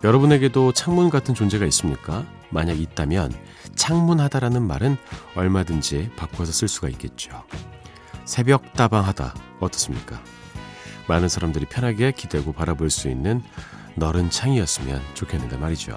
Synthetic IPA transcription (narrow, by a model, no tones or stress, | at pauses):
jʌɾʌbune̞ɡe̞dot͡ɕʰaŋmunɡatʰɯnt͡ɕond͡ʑe̞ɡais͈ɯmɲik͈a | maɲaɡit̚t͈amjʌn | t͡ɕʰaŋmunɦadaɾanɯnmaɾɯnʌɭmadɯnd͡ʑipak͈ʰosʰʌs͈ɯɭs͈uɡaik͈e̞t̚t͡ɕ͈o | sʰe̞bjʌk̚t͈abaŋɦada̰ʌt͈ʌs͈ɯmɲik͈a̰ | manɯnsʰaɾamdɯɾipʰjʌnɦaɡekʰidwe̞ɡopaɾaboɭs͈uinːɯnː | ʌɾɯnt͡ɕʰaŋiʌs͈ɯmjʌ̰nt͡ɕokʰenːɯndamaɾid͡ʑo̰